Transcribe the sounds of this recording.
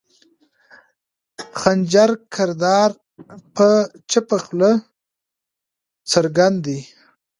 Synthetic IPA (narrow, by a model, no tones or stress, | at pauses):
xand͡ʒaɾkʰaɾd̪ɑɾ | pət͡ʃapaxlə | t͡saɾɡand̪i